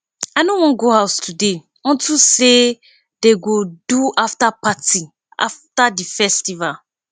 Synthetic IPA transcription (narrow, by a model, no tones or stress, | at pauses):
aɪnõwɔ̃nɡohaʊstʰude | wɔ̃ntʰuse | d̥eɡoduaftapati | a̰ftadifɛstival